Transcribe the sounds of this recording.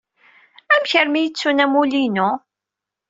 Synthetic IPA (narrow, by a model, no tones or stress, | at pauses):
æmçəɾmijət͡sːunæmulinu